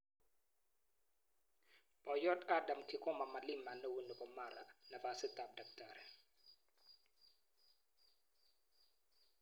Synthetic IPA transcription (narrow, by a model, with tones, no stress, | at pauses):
b̥ɔ˨jɔ˦ta˦da˨mkɪ˦kɔ˦ma˨ma˨lɪ˦ma˨nɛ˦wu˦nu˨bɔ˨ma˨ɾa˨na˨va˨sɪ˦t̪a˨b̚da˨k̚taɾɛ˨